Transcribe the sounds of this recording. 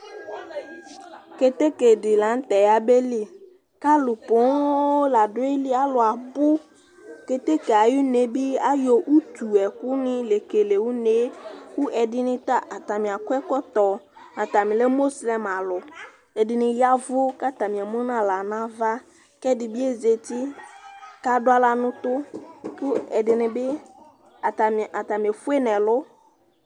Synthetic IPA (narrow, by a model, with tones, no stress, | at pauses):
ke˨t̪e˦ke˨dɪ˨la˨˦n̩˦t̪ɛ˨ja˨be˦li˦ | ka˦lʊ˨pʊ˨˦la˨dʊ˦e˦li˦a˨lʊ˨a˨bʊ˦ | ke˨t̪e˦ke˨a˨ju˦ne˨bi˦a˦jɔ˨ʔu˦t̪u˨ɛ˨kʊ˦nɪ̃˦le˨ke˨le˨wu˦ne˨˦ku˦ʔɛ˨dɪ˦nɪ̃˦t̪a˦ʔa˨t̪a˨mĩ˨a˨kʊ˦ɛ˦kɔ˦t̪ɔ˨ | nã˨t̪a˨mɪ̃˨lɛ˦mo˦slɛ˨ma˨lʊ˨ | ɛ˨dɪ˨nɪ̃˨ja˦vʊ˦ka˦t̪a˨mɪ̃˨ɛ˨mʊ̃˦nã˦la˨nã˦va˦ | kɛ˦dɪ˨bɪ˦e˦ze˨t̪ɪ˦ | ka˦dʊ˦a˦la˨nʊ̃˦t̪ʊ˦kʊ˦ɛ˨dɪ˨nɪ̃˨bɪ˦ | a˨ta˨a˨t̪a˨mĩ˨ɛ˨fʊ˦e˦nɛ̃˨lʊ˦